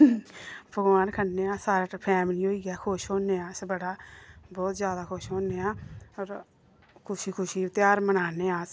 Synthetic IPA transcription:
bʱəɡʋaːnkʰəɳneːãːsaːɾaːpʰɛːmliːɦoːiːɛːkʰoːʃɦoːneːãːsbəɽaːbɔːt̪zjaːd̪aːkʰoʃɦoːnːeːãːɔːɾ | kʰʊʃiːkʰʊʃiːt̪ɪjaːɾmənaːneːãːs

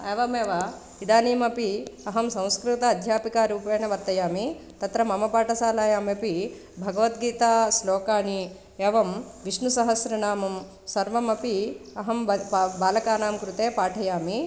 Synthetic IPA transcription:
eːʋɐmeːʋɐ | id̪aːniːmɐpiɐɦɐmsɐ̃w̃skɾut̪ɐːd̪ʱjaːpikaːɾuːpeːnɐʋɐɾt̪ɐjaːmi | t̪ɐt̪ɾɐmɐmɐpaːʈɐsaːlaːjaːmepi | bʱɐɡɐʋɐt̪ɡiːt̪aːslɔːkaːni | eːʋɐm | ʋiʃnusɐɦɐsɾɐnaːmɐm | sɐɾʋɐmɐpiɐɦɐmbaːlɐkaːnaːmkɾut̪eːpaːʈʰɐjaːmi

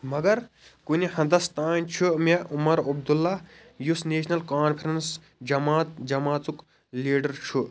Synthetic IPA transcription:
mɐɡɐɾ | kunihɐ̃nd̪ɐst̪aːnʲt͡ʃʰumeumɐɾɐb̚d̪ulːa | jusneːsʰnɐlkaːnpʰɐɾɐns | d͡ʒɐmaːt̪d͡ʒɐmaːt͡suk | liːɖɐɾt͡ʃʰu

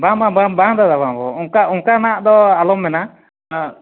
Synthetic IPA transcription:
babababad̪ad̪abãbɔ̰uŋkaʔuŋkanaaʔd̪ɔalɔmːɛna

